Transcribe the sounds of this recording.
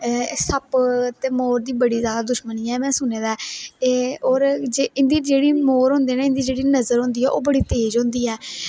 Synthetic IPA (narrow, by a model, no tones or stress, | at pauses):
səpt̪eːmoːɾd̪iːbəɽiːzjaːd̪aːd̪ʊʃməniːɛːmɛ̃ːsʊneːd̪aː | oːɾd͡ʒeːɪ̃nd̪iːd͡ʒeːɽiːmoːɾɦʊ̃nd̪eːnãːɪ̃nd̪iːd͡ʒeːɽiːnəzəɾɦʊ̃ːnd̪iːɛːʔoːbəɽiːt̪eːd͡ʒɦʊ̃nd̪iːɛː